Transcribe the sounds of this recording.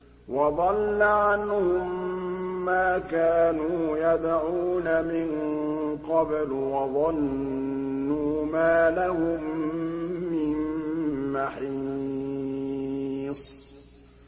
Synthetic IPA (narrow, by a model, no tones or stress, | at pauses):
wɑðˤɑlːaʕanhʊmː | aːkaːnuːjad̪ʕuːnamɪn | qɑbl | wɑðˤɑnː | uːmaːlahʊmː | ɪnmaħi | sˤ